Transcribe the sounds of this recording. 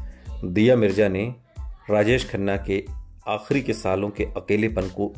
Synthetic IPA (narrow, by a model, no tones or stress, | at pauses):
d̪ijamɪɾd͡ʒane | ɾaːd͡ʒeːʃkʰənːakeaːxɾikesaːlõkeʔɐkeːlepɐnko